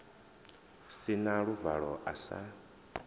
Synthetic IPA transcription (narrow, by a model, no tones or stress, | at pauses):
sinaɺuvaɺɔʔasa̰